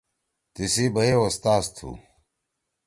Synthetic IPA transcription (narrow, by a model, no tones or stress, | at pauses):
t̪isibɐeost̪aːst̪ʰṵ